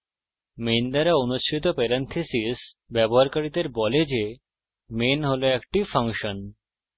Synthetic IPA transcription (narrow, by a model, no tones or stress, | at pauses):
mend̪aɾaonuʃʈʰit̪̬opɛɾent̪ʰesis | bɛboɦaɾkaɾid̪eɾbɔled͡ʑe | menɦoloɛkʈifaŋʃon